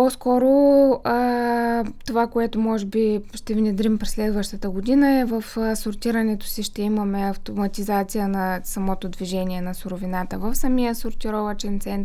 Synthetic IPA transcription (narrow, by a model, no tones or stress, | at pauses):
pɔskɔɾoə | t̪ovakoɛt̪ʊmɔʒɛbiʃt̪ɛvnɛd̪ɾimpɾɛslɛd̪vəʃt̪ət̪əɡod̪inəɛvəfəsʊɾt̪ʲiɾənɛt̪o̥siʃt̪ɛimɐmɛɐft̪omɐt̪izat̪sijənɐsɐmɔt̪od̪viʒɛniɛnɐsʊɾʊvinat̪əvəfsɐmijəsʊɾt̪iɾɔvət͡ʃɛnt̪sɛnt̪